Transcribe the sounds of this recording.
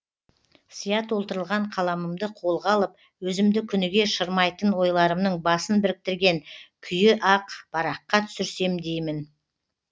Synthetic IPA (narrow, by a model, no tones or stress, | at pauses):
sijɑt̪wo̞lˠt̪əɾəlˠʁɑɴqʰɑlˠɑməmd̪əqʰo̞lˠʁɑlˠəp̚ | wɵzɪmd̪ɪkʲʰʏnɪɡʲe̞ʃəɾmɑjt̪ənwo̞jlˠɑɾəmnəɴbɑsənbɪɾɪk̚t̪ɪɾɡʲe̞ŋkʲʰʏjɪʔɑqb̥ɑɾɑqːɑt̪ʰʏ̥sɪɾse̞md̪e̞jmɪn